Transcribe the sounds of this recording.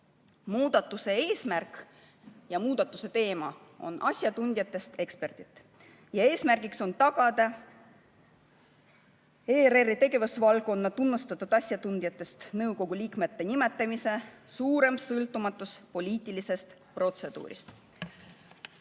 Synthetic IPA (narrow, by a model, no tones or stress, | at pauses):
muːd̪̥ɑt̪ːˑuse̞e̞ːsmærk | jɑmuːd̪̥ɑt̪ːˑuse̞t̪e̞ːmɑo̞̰nʔɑ̰sʲjɑt̪und̪jɑt̪ːˑe̞st̪e̞kspe̞rt̪it̪ːˑ | jɑe̞ːsmærɡ̥ikso̞nt̪ɑɡ̥ɑd̪̥ɑ | eːɾerːit̪e̞ɡe̞vusvɑlko̞nːɑt̪unːust̪ɑt̪ːˑud̪̥ɑsʲjɑt̪und̪̥ʲjɑt̪ːˑe̞st̪nɤwko̞ɡ̥ulʲiːkme̞t̪ːe̞nime̞t̪ːˑɑmise̞suːɾe̞msɤlt̪ːˑumɑt̪ːˑuspo̞lʲiːt̪ːˑilise̞st̪ | pro̞t̪se̞d̪̥ṵːɾḭst̪